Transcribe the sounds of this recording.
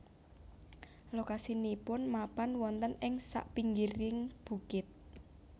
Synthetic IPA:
lokasinipʊnmapanwɔnt̪ənɪŋsa̰ʔpiŋɡiɾɪŋb̥ṳkɪt̪̚

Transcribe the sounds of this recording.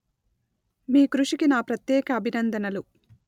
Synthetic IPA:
miːkɾuʂikinaːpɾɐt̪jɛːkɐːbʱinɐnd̪ɐnɐlu

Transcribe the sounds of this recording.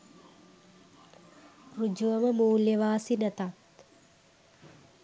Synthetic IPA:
rud͡ʒuʋəməmuːljəʋaːsinɛt̪at̪

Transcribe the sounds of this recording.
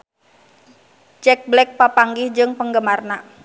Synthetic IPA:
t͡ʃɛk̚blɛk̚papaŋɡihd͡ʒɨŋpəŋɡəmarna

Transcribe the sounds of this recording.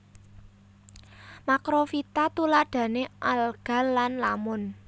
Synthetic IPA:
makɾofit̪at̪ulaɖ̪̥a̤neʔalɡ̥a̤lːanlamʊn

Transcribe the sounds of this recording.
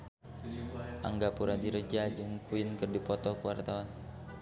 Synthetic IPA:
ʔa̰ŋɡapuɾadiɾəd͡ʒad͡ʒɨŋkuinkɨrdipɔt̪ɔkuwart̪awan

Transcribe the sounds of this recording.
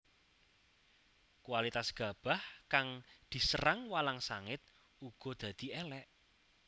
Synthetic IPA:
kwalit̪asɡ̥ä̤b̥a̤hkaŋd̪̥i̤səɾaŋwalaŋsaŋɪt̪̚ | uɡ̥ɔ̤d̪̥ä̤d̪̥i̤ɛlɛʔ

